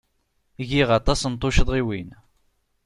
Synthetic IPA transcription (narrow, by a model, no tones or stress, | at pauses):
ʝiʁɑt̪ˤɑsənt̪ˤːoʃəðˤʁiwin